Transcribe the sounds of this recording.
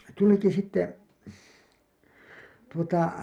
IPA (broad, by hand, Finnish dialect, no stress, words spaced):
tuliki sitːe tuotɑ